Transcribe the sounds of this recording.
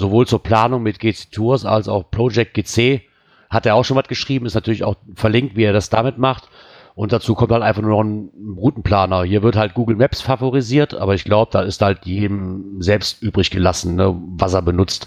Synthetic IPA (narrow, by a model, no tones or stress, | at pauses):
zovoːlt͡suːɐpl̥aːnʊŋmɪt̚ɡ̥eːt͡setʰuːɐsa̰lsa̰ʊxpʁ̥od͡ʒɛk̚t̚ɡ̥eːt͡seː | hateːɐaʊxʃoːnvatɡ̥əʃʁ̥iːbm̩ɪstnatʰyːɐlɪçaʊxfɛɐlɪŋk̚tv̥iːeːɐdasd̥aːmɪtmaχt | ʔʊntd̥at͡suːkʰɔmthaltʔaɪnfaχnuːnɔχn̩ʁuːtn̩pl̥aːnɐhiːɐvɪɐthalt̚ɡ̥uːɡl̩mɛpsfavoʁiziːɐtʔa̰ːbɐɪçɡ̥laʊbəd̥aːɪsthaltʰjeːdmzɛlpstʔyːbʁɪçɡ̥əlasn̩nəvaseːɐbənʊt͡st